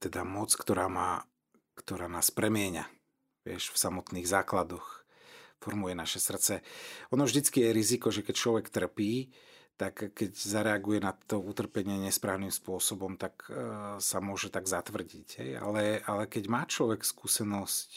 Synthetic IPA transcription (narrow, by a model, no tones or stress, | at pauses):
t̪ɛd̪amɔt͡skt̪ɔɾaːmaː | kt̪ɔɾaːnaːspɾɛmɪɛɲa̰ | ʋɪɛ̰ʃfsamɔt̪niːɣzaːklad̪ɔx | fɔɾmujɛnaʃɛsr̩t̪t͡sɛɔnɔvʒd̪it͡skijɛɾizikɔʒɛkɛc̚t͡ʃlɔʋɛkt̪r̩piː | t̪akːɛczaɾɛaɡujɛnat̪ɔut̪r̩pɛɲɪɛɲɛspɾaːʊnimspʊɔsɔbɔmt̪aksamʊɔʒɛt̪aɡzat̪ʋr̩ɟicɦɛ̰ja̰lɛalɛkɛɟmaːt͡ʃlɔʋɛkskuːsɛnɔsc